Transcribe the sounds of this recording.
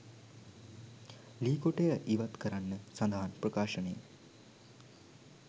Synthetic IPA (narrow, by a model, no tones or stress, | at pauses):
liːkoʈejəʔiʋat̪kəɾanːəsaɐnd̪aɦanprəkaːʃənejə̰